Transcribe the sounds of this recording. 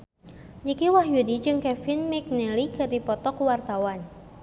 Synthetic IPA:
d͡ʒikiwahjudid͡ʒɨŋkɛfɪnmɛk̚nɛlikərdipɔt̪ɔkwart̪awan

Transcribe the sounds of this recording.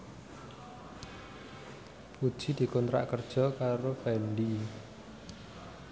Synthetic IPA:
pud̥ʒ̥i̤d̪̥i̤kɔnt̪ɾa̰ʔkərd̥ʒ̥ɔ̤kaɾopɛnɖi

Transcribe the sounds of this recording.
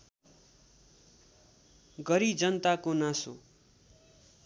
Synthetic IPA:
ɡʌɾid͡zʌnt̪akonãso̰

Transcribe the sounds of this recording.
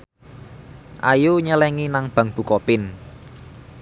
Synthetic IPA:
ʔa̰juɲəlɛŋinaŋb̥ä̤ŋb̥ṳkɔpɪn

